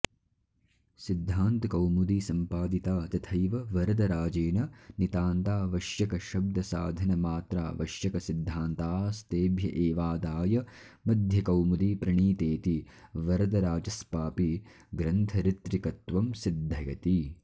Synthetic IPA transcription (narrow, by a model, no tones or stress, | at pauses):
sid̪ʱːaːnt̪ɐkɐwmud̪isɐmpaːd̪it̪aːt̪ɐt̪ʰɐjʋɐʋɐɾɐd̪ɐɾaːd͡ʒeːnɐnit̪aːnt̪aːʋɐʃjɐkɐʃɐb̚d̪ʱɐsa̰ːd̪ʱɐnɐmaːt̪ɾa̰ːʋɐ̰ʃjɐkɐsid̪ʱːaːnt̪aːst̪eːbʱjɐʔeːʋaːd̪aːjɐ | mɐd̪ʱjɐkɐwmud̪ipɾɐɳiːt̪eːt̪iʋɐɾɐd̪ɐɾaːd͡ʒɐspaːpi | ɡɾɐnt̪ʰɐɾit̪ɾikɐt̪ʋɐmsid̪ʱːɐjɐt̪i